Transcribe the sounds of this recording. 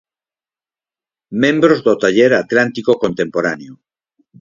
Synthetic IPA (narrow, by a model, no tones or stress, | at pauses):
mẽmbɾozðot̪aʎeɾat̪lant̪ikokont̪ẽmpoɾaneo